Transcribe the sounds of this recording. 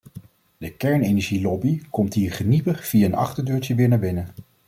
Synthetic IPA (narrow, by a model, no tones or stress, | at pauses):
dəkɛɹnenɛɹʒilɔbikɔmtɦiːɹχənipəχv̥iaənɑ̰χtəɹdøːɹtəʋɪːɹnaːɹbɪnə